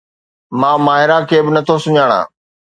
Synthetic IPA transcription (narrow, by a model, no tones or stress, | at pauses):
mãːmaːɦɪɾakʰeːbɪnɐt̪ʰosʊɲaːɽ̃ã̰ː